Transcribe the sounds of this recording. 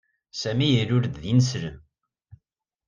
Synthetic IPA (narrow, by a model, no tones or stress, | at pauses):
sæmijəlʊɾd̪ðinəsɾəm